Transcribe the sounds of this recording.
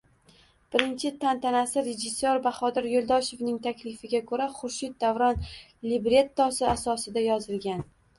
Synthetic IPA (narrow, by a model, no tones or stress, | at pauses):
b̥ɪɾɪnt͡ʃʰɪt̪ʰant̪ʰanasɪɾed͡ʒɪsːoɾbaχɒd̪ɪɾjolˠd̪ɒʃe̞vnɪŋt̪ʰakʲlɪfɪɡʲakʰɵɾaχʊɾʃɪt̪̚d̪avɾɒn | lɪbɾe̞t̪ːɒsɪasɒsɪd̪ajɒzɪlˠɡʲan